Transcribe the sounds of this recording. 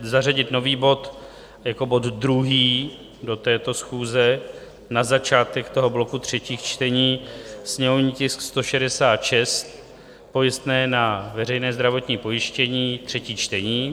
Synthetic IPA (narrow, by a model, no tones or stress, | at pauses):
zaraɟɪt̪no̞viːbo̞t̪ | jako̞bo̞d̪dɾuɦiː | do̞t̪ɛːt̪o̞sxuːzɛ | nazat͡ʃaːt̪ɛkt̪o̞ɦo̞blo̞kut̪r̝̥ɛciːxt͡ʃt̪ɛɲiːsɲɛmovɲiːcɪskst̪o̞ʃɛdɛsaːt̪ʃɛst̪̚ | po̞jɪst̪nɛːnavɛɾɛjnɛːzd̪ɾavo̞t̪ɲiːpo̞jɪʃcɛɲiːt̪r̝̥ɛciːt͡ʃt̪ɛɲiː